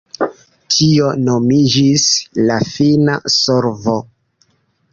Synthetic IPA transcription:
tʰio̞no̞mid͡ʒislafina̰soɾvo

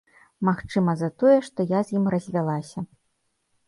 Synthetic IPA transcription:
maxt͡ʂɨmɐzɐt̪ɔjɛʂt̪ɔjazʲjimrɐzʲvʲalˠasʲɐ

